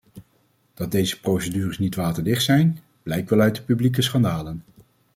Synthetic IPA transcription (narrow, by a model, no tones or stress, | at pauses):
d̥ɑt̚dejzəprowsədyːrəsnitʋaːtəɹdɪχtsɛjn | b̥lɛjk̚ʋɛlœɥtdəpyblik̬əsχɑndaːlən